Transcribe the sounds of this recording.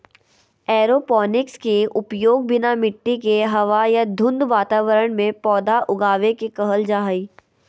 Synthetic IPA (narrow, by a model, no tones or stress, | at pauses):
ɛːɾopɔːnɪkskeʔʊpjoːɡ̚bɪnamɪʈːikeɦɐʋajad̪ʱʊ̃nd̪ʋaːt̪aːʋəɾəɽ̃mẽpɔːd̪aʔʊɡaːʋekekəɦəld͡ʒaːɦəiː